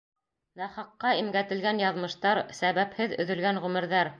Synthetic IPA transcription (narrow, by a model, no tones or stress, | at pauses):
næχɑqːɑimɡæt̪ɘ̆lɡænjɑðmɤ̆ʃt̪ɑɾsæβæphɘðɵ̰̆ðɵ̆lɡænʁɵmɘ̆ɾðæɾ